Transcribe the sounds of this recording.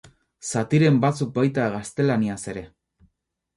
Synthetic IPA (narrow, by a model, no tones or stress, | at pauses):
sat̪iɾe̞mbat͡suk̚bajt̪aɣast̪e̞laniase̞ɾe̞